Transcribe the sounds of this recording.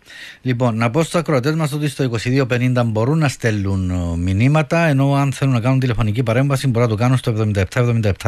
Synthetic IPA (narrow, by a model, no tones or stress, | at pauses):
lipo̞nːɐpo̞st̪oɐkɾoɐt̪̬e̞zmɐft̪ot̪uist̪o̞iko̞siðio̞pe̞nind̪ɐmbo̞ɾunːɐst̪e̞lːunminimɐt̪ɐeno̞ɐnθe̞lunːɐkɐnunt̪̬ilefo̞nicipɐɾe̞ɱvɐsimboɾɐt̪ukɐnunst̪oe̞vðomind̪ɐep̚t̪ɐevðo̞mind̪ɐep̚t̪ʰa